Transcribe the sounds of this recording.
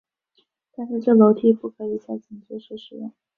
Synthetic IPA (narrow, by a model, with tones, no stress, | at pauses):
t̪a˥˧nʂɻ̩˥˧ʈ͡ʂɤ˥˩lo˧˥ʊt̪ʰi˥pu˥˩kʰɤ˧˥i˧˩ɕja˥˩ɪt͡ɕi˨˩ŋt͡ɕu˥ʂ̩˥˩ʂɻ̩˧˥˩ŋ